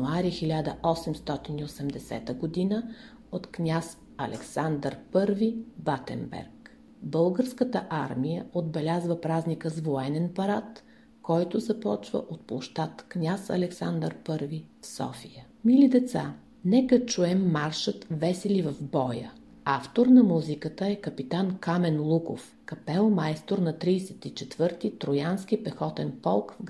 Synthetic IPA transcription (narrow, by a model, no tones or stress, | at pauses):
uaɾixilʲad̪əʔɔsɛmst̪ɔt̪iniosɛmd̪ɛsɛ̰t̪əɡod̪inə | ot̪knʲas | ɐ̰lʔɛ̰ksand̪əɾpɤɾvibat̪ɛ̰nbɛ̰ɾk | bɤlˠɡəɾskət̪əʔaɾmijəod̪̚bɛlʲazvəpɾaznikəzvoɛnɛnpɐɾat̪ | kɔjt̪ʊzɐpɔt͡ʃvə̰ʔot̪̚plˠoʃt̪at̪knʲasɐ̰lɛksand̪əɾpɤɾvifsɔ̰fijə | milid̪ɛt̪sa | nɛkət͡ʃuɛmːaɾʃət̪vɛsɛlivɐvbɔjə̰ | aft̪oɾnɐmuzikət̪əɛkəpit̪ankamɛnlˠuko̰f | kɐpɛlˠmajst̪oɾnɐt̪ɾijsɛt̪it͡ʃɛt̪vɤɾt̪it̪ɾojansk̟ʲipɛxɔt̪ɛnpɔlˠkv